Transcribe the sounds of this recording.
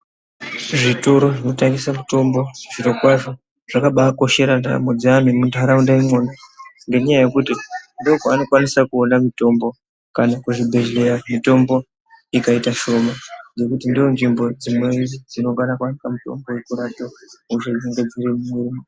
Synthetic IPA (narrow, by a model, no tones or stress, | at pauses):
ʐitoɾo̞ʐino̞taŋɡisamuto̞mbo̞ʐ̥iɾo̞kwaʐo̞ | ʐ̥akaɓaːko̞ʃe̞ɾanda̰mod͡ziamemuntaɾaundaimonaŋɡe̞ɲajaje̞kutindokoano̞kwanisakuonamito̞mbo̞ | kanakuʐibʱe̞ʒle̞ɾamito̞mbo̞ | ikaitaʃo̞maŋɡe̞kutindijo̞nʐimbo̞d͡zimwend͡zid͡zino̞kanakuanikamuto̞̰mbowekuɾatauʃed͡ʒeŋɡe̞d͡ziɾimumurimo